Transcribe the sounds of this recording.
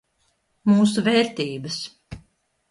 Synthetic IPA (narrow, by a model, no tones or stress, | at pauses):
muːs̬uvɛːɾt̪iːbɐs